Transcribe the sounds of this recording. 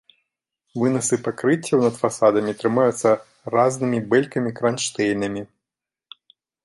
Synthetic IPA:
vɨnɐsɨpakɾɨt͡sʲːɐwnɐt̪fasad̪ɐmʲit̪ɾɨmajut̪sːɐ | ɾaznɨmʲibɛlʲkɐmʲikɾanʂt̪ɛjnɐmʲi

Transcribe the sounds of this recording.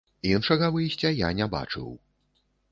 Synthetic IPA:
inʂɐɣɐvɨjsʲt͡sʲɐja̰nʲɛba̰t͡ʂɨ̰w

